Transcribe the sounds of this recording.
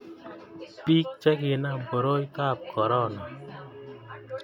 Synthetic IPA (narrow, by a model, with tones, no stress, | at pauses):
pi˦k̚t͡ʃɛ˦kɪ˨na˦˨mpo˨ɾo˦jka˦˨p̚kɔ˨ɾɔ˦˨nɔ˨